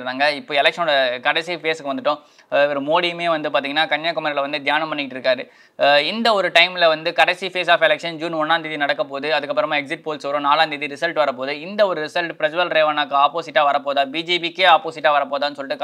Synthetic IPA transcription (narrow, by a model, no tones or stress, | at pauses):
ɾðaːŋɡɐɪpːoːɛlɛkʂɐnoːɽɐkɐɽɛsifeːsɯkːɯʋɐnd̪ɯʈːʊ̃ | ʋɐɾɯmoːɽimeːʋɐnd̪ɯpaːɾt̪iŋɡɐnːaːkɐɲjaːkːɐmɐɾɐlɐʋɐnd̪ɯd̪jaːnɐmpɐɳːɪkːɪʈːɪɾɯkːaːɾɯ | ɪnd̪ɐɔɾɯʈɐɪmlɐʋɐnd̪ɯkɐɽɛsifeːsaːfɛlɛkʂɐnd͡ʒuːnɔnːaːnd̪ɪðinɐɽɐkːɐpoːðɯɐðɯkːɐpːɾɐmaːɛksɪʈ̚poːlsʋɐɾʊ̃naːlaːnd̪iðiɾɪsɐlʈʋɐɾɐp̬oːðɯɪnd̪ɐɔɾɯɾɪsɐlʈpɾɐd͡ʒɐbɐlɾeːʋanaːkɯaːpoːsɪʈːaːʋɐɾɐpːoːðaːbiːd͡ʒeːpikːeaːpoːsɪʈːaːʋɐɾɐpoːðaːnːɯsɔlːɪʈːɯk